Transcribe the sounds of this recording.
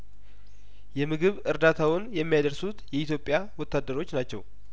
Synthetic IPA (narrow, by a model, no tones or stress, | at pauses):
jɛmɨɡɨβɨɾd̪at̪ʰawʊnjɛmːijad̪əɾsut̪jɛit̪jo̞pʼjawɔt̪ʰːad̪ːəɾo̞t͡ʃːnat͡ʃːɛw